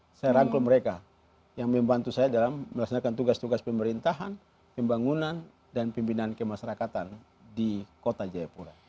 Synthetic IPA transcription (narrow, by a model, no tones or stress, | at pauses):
sajaɾaŋklumɛɾɛka | jaŋmɛmbant̪usajadalamːɛlaksanakant̪uɡast̪uɡaspɛmɛɾint̪aɦan | pɛmbaŋunan | danpimpinankɛmaʃaɾakat̪an | dikɔt̪ad͡ʒajapuɾa